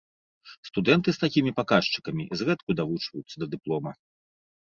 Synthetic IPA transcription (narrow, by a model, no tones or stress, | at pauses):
st̪ud̪ɛnt̪ɨst̪akʲimʲipakaʂt͡ʂɨ̥kɐmʲizɣɛt̪kud̪avut͡ʂvɐjut̪sːɐd̪ɐd̪ɨplˠɔmɐ